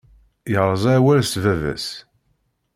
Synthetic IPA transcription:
jəʁɾˤəzˤæwæɾst̪vævæ̰s

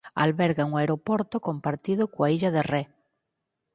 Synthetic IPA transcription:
a̰lβɛɾɣaŋoaeɾopoɾt̪okompaɾt̪iðokwaiʎaðere

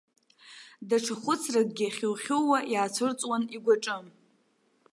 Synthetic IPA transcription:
daʈ͡ʂʰaχʷʊt͡sʰrakʼɡʲɪχʲɪwχʲowajaːt͡sʷʰɨrt͡sʼwaniɡʷaʈ͡ʂʼɨm

